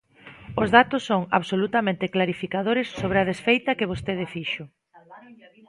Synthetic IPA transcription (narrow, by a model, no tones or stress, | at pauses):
ʊzðat̪ʊsːoŋa̰βsolut̪amẽnt̪ɪklaɾifikaðoɾɪsːoβ̞ɾɪað̞esfejt̪ɐkɪβ̞ost̪eð̞ɪfiʃʊ